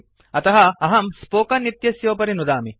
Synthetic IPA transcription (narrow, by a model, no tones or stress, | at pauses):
ɐt̪ɐɦɐɐɦɐmspoːkɐnːit̪jɐsjoːpɐɾinud̪aːmi